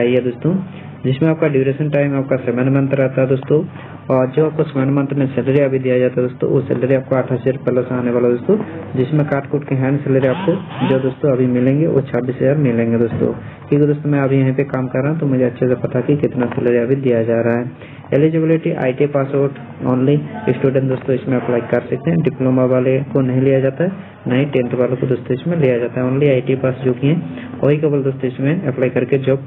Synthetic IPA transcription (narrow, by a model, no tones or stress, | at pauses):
aːiɦɛd̪oːst̪õ | d͡ʒɪsmẽaːp̚kaɖɪʋɾeʃənʈaːɪmaːp̚kasemənmə̃nt̪ɾɛɦt̪aɦɛd̪oːst̪õ | ɔːɾd͡ʒoːaːp̚kosmɛnmə̃nt̪ɾmẽsɛləɾiɐbʱid̪ijad͡ʒaːt̪aɦɛd̪oːst̪õ̰ʋo̰sɛ̰ləɾiaːp̚koaːʈʰaseɾpɛːləsaːneʋaːlad̪oːst̪õd͡ʒɪsmẽkaːɾʈkuːʈkeɦɛ̃ːnsɪləɾiaːp̚kod͡ʒoːd̪oːst̪õɐbʱimɪlẽːŋɡeʋo̰t͡ʃʰaːbiːsɦɐzaːɾmɪlẽːŋɡed̪oːst̪õ̰ː | kikid̪oːst̪õmɛ̃ɐbʱijɐɦĩpekaːmkɐɾːaːɦũt̪omʊd͡ʒʱeɐtːʃʰesepɐt̪ʰakikɪt̪nasɪləɾiɐbʱid̪ijad͡ʒaːɾaaɦɛ | elɪd͡ʒɪbɪlɪʈiʔa̰ːiʈipaːsoːɾʈ | oːnliɪsʈuːɖẽɳʈd̪oːst̪õɪsmẽɐplaːikɐɾsɐk̚t̪eɦɛ̃ɖɪploːmaʋaːlekonɐɦĩlijad͡ʒaːt̪aɦɛ | nɐɦĩʈẽːɳʈʋaːlõkod̪oːst̪oɪsmẽlijad͡ʒaːt̪aɦɛoːnliaːiʈipaːsd͡ʒoːkiɦɛ̃ | oːɦikɐbəld̪oːst̪oɪsmẽɐplaːikɐɾked͡ʒob